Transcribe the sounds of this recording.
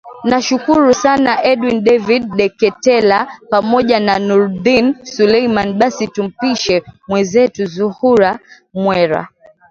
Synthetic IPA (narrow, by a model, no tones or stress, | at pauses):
naʃukuɾusanaʔɛɗwinɗɛviɗɗɛkɛtɛlapamɔʄananuɾðinsulɛjmaniɓasitum̩piʃɛmwɛzɛtuzuhuɾa | mwɛɾa̰